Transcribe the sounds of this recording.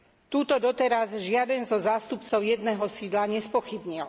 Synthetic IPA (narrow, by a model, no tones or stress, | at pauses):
t̪uːt̪ɔd̪ɔt̪ɛɾazʒɪad̪ɛnzɔzaːst̪upt͡sɔʊjɛd̪nɛːɦɔsiːd̪laɲɛspɔxibɲil